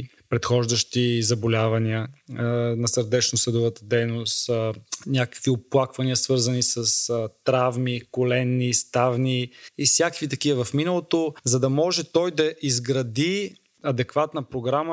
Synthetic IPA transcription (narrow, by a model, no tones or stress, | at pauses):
pɾɛt̪xɔʒd̪əʃt̪izɐbolʲavɐniə | nɐsəɾd̪ɛt͡ʃnosəd̪ovət̪əd̪ɛjnost̪nʲakə̥kvioplˠakvɐniəsvɤɾzɐnisɐst̪ɾavmikolɛnːist̪avniifsʲjakkvit̪ɐkivəvɐfminəlˠot̪ozɐd̪ɐmɔʒɛt̪ɔjd̪ɐʔizɡɾɐd̪i | ɐd̪ɛkvat̪nəpɾoɡɾamə